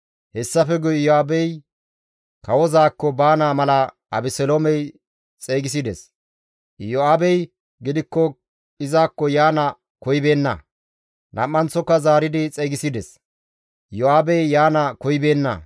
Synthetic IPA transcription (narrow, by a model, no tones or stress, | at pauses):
hɛsːɐfɛɡʊjjɔaːbɛj | kɐwɔzaːkːɔbaːnaːmɐlɐ | ɐbɪsɛlomɛj | t͡sʼeːɡɪs̬ɪd̪ɛs | jɔaːbɛj | ɡɪd̪ɪkːɔ | ɪzaːkːɔjaːnɐ | kɔjbe̞ːnːɐ̰ | nʔɐ̰mːɐnt͡sːɔkːɐzaːɾɪd̪ɪt͡sʼeɡɪsɪd̪ɛs | jɔaːbɛjːaːnɐkɔjbe̞ːnːɐ̰